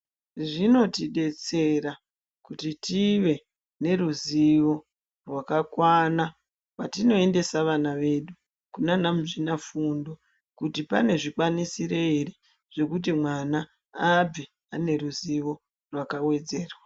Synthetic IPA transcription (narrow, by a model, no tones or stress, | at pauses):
ʐino̞tiɗe̞t͡se̞ra | kutitiʋe̞ | ne̞ruziʋo̞ | rwakakwana | wwatino̞e̞nde̞saʋanaʋe̞ɗu | kunanamuʐinafundo | kutipa̰ne̞ʐikwanisireire | ʐ̥e̞kut̬imwanaː | b͡vi | ane̞ɾuziʋo̞ | rwakawe̞d͡ze̞ːrwa